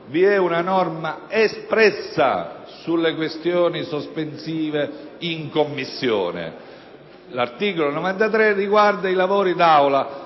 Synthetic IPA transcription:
viɛunanɔrmaespɾɛsːa̰ | sulːekwest̪joːnisospensiːveiŋkomːisːjo̰ːnḛ | lart̪iːkolonɔvant̪at̪ɾɛrːiɡward̪ailavoːɾid̪awla

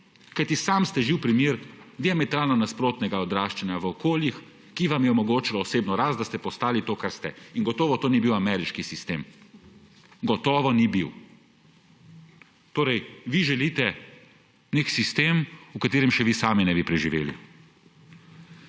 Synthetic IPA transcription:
kajt̪isaːmst̪ɛʒiwpɾimjeːɾd̪iamɛt̪ɾaːlnanaspɾoːt̪nɛɡaɔd̪ɾaːʃt͡ʃɛnjaʋəɔkoːljix | kiʋamjɛɔmɔɡoːt͡ʃilɔɔseːbnɔɾaːst̪̚d̪ast̪ɛpɔst̪aːlit̪oːkaɾst̪ɛinɡɔt̪ɔːʋɔt̪oːnibiwamɛɾiʃkisist̪eːm | ɡɔt̪ɔːʋɔnibiw | t̪oːɾɛjʋiʒɛliːt̪ɛ | neksist̪eːmukat̪eːɾɛmʃɛʋisaːminɛbipɾɛʒiʋeːlḭ

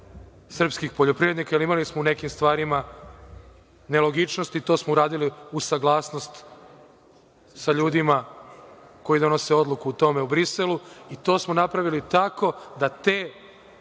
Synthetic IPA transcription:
sr̩pskixpoʎo̞pɾiʋɾed̪nikajilimalismoune̞kimst̪ʋaːɾima | ne̞lo̞ɡit͡ʃno̞st̪it̪o̞ːsmouɾaːd̪iliusaɡlˠaːsno̞st̪ | saʎuːd̪ima | ko̞jid̪o̞no̞se̞o̞d̪lˠukuːt̪o̞me̞ubɾiseluit̪o̞ːsmo̞napɾaʋilit̪ako̞d̪at̪eː

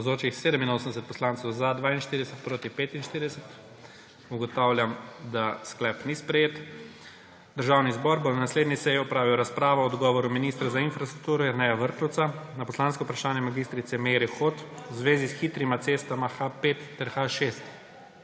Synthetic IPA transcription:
zoːt͡ʃixseːd̪əminoːsənd̪ɛsɛt̪̚pɔslaːnt̪sɔwzad̪ʋaːinʃt̪iɾid̪ɛsɛt̪̚pɾoːt̪ipet̪inʃt̪iːɾid̪ɛsɛt̪ | uɡɔt̪awljamd̪asklɛpnispɾɛjeːt̪ | d̪əɾʒaːwnizbɔɾbonnasled̪nisɛjiɔpɾaːʋiwɾaspɾaːʋɔɔd̪ɡɔːʋɔɾuminist̪ɾazainfɾast̪ɾuk̚t̪uːɾɔiɾnɛjaʋəɾt̪ɔwtsanapɔslanskɔupɾaʃaːnjɛmaɡist̪ɾit̪sɛmeɾɛxoːt̪wzʋeːzisxiːt̪ɾimat̪seːst̪amaxapeːt̪ːɛɾxaʃest̪

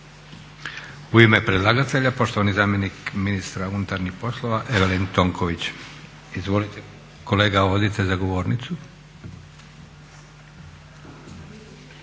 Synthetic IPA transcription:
uime̞pɾed̪lˠaɡat̪eʎapo̞ʃt̪o̞ʋanizaːmjenikminist̪ɾaunut̪aɾnixpo̞slˠoʋaʔeʋelent̪o̞ŋkʰoʋit͡ɕ | izʋo̞lit̪e | ko̞le̞ːɡaʋo̞d̪it̪ezaɡo̞ʋo̞ːɾnit̪su

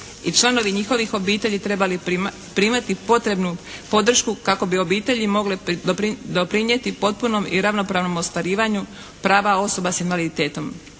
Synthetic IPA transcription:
it͡ʃlˠano̞ʋiɲixo̞ʋixo̞biːt̪e̞ʎit̪ɾe̞bali | pɾimat̪ipo̞t̪ɾe̞bnupo̞d̪r̩ʃkukako̞bio̞biːt̪e̞ʎimo̞ɡlepɾd̪opɾiɲje̞t̪ipo̞t̪̚puno̞mḭɾaʋno̞pɾaːʋno̞mo̞st̪ʋaɾiːʋaɲu | pɾaːʋao̞so̞basinʋalit̪eːt̪o̞m

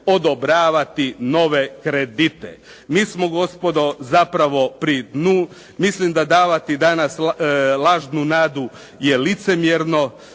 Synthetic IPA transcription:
od̪obɾaːʋat̪inoʋe̞kɾed̪it̪ḛ | miːsmo̞ɡo̞spo̞d̪o̞zapɾaʋo̞pɾid̪nuː | mislimd̪ad̪aːʋat̪id̪anaslˠaːʒnunaːd̪u | jelit̪se̞mjeɾno̞

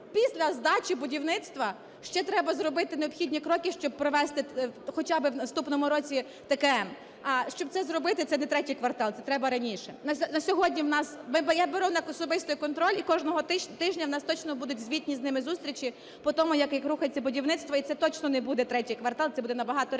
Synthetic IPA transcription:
pʲisʲlʲɐzd̪ɑt͡ʃʲibʊdʲiwnɪt̪st̪ʋɐ | ʃt͡ʃɛt̪ɾɛbɐzrɔbɪt̪ɪneɔpxʲidʲnʲikɾɔkʲɪʃt͡ʃɔb̚pɾɔʋɛst̪ɪxɔt͡ʃɑbɪwnɐst̪upnɔmʊɾɔt͡sʲi | t̪ekɛm | ɐʃt͡ʃɔb̪̚sɛzɾɔbɪt̪ɪt̪sɛnɛt̪ɾɛtʲijkʋɐrt̪ɑlˠsɛt̪ɾɛbɐɾɐnʲiʃɛnɐsʲnɐsʲɔɦɔdʲnʲiwnɑsmɪbjabeɾuwnɐkɔsɔbɪst̪ɔjkɔnt̪ɾɔlʲikɔʒnɔɦɔt̪ɪʒnʲɐwnɑst̪ɔt͡ʃnɔbud̪ʊt̚ʲzʲʋʲit̪̚ʲnʲiznɪmɪzust̪ʲɾʲit͡ʃi | pɔt̪ɔmʊjɐkjɐkruxɐt͡sʲɐbʊdʲiwnɪt̪st̪ʋɐit̪ɛt̪ɔt͡ʃnɔnɛbud̪ɛt̪ɾɛtʲijkʋɐrt̪ɑlˠt̪ɛbud̪ɛnɐbɐɦɑt̪ɔ

